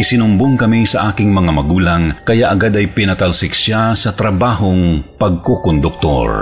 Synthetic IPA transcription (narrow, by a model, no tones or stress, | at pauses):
ʔɪsɪnʊmboŋkɐmisɐʔaːkɪŋmɐŋamɐɡuːlɐŋkɐjaʔɐɡad̪ɐjpɪnɐt̪ɐlsɪk̚ʃasɐt̪ɾɐbaːhoŋpɐɡ̚kokond̪ʊk̚t̪o̰ɹ